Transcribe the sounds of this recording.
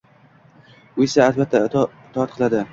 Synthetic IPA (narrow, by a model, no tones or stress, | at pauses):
ʊesaːlbat̪ʰːaɪt̪ʰɒat̪̚qʰɨlˠad̪ɪ